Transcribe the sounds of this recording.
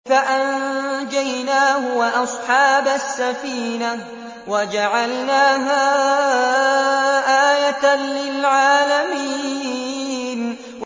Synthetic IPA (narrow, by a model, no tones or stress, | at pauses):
faʔand͡ʒajnaːhʊwʔɑsˤħɑːbasːafiːna | wad͡ʒaʕalnaːɦa | ʔaːjat̪anlɪlʕaːlamiː | n | w